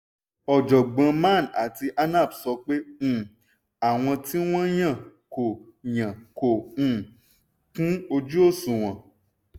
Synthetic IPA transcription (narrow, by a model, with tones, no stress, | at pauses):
ɔ˨d͡ʒɔ˨ɡ͡bã˧mã˦˨na̰˨ti˧ʔa˦nã˦˨bsɔ˧˦k͡pẽ˦˨ | a˨w̃ɔ̃˧ti˦w̃ɔ̃˦j̃ã˦˨ | ko˨ | jã˨kõ˨ | kũ˦o˧d͡ʒu˦o˦˨sũ˨w̃ɔ̃˨